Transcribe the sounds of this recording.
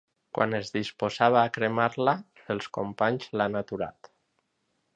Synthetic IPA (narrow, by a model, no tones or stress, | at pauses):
kwʔa̰nezðispozaβ̞aːkɾemaɾla | elˠskompaɲzlanat̪uɾa̰t̪